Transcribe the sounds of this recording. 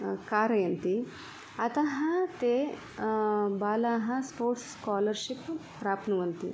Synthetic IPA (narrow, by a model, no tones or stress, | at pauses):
kaːɾɐjɐnt̪i | ɐt̪ɐɦɐ̃t̪e | baːlaːɦɐ̃spoːɾʈsskaːlɐɾʃippɾaːpnɐʋɐnt̪ḭ